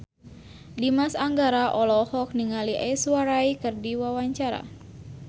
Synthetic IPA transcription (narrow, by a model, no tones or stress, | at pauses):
dimasaŋɡaɾaʔɔlɔhɔk̚niŋaliʔɛswaɾajkɨrdiwawaɲt͡ʃaɾa̰